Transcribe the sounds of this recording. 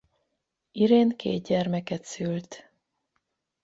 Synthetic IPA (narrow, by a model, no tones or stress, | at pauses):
iɾeːnkḛːd̪̚ɟɛrmɛkɛt̪sylt̪